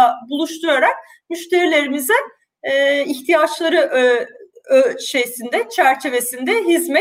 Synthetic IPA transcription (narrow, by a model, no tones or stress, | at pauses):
abulˠuʃt̪ʰujaɾak̚ | myʃt̪ʰe̞ɾilʲe̞ɾimizinː | içt̪ʰijat͡ʃlˠaɾɯʔ | øʃe̞jsind̪ɛt͡ʃʰæɾt͡ʃʰe̞ve̞sind̪ɛɦizmɛ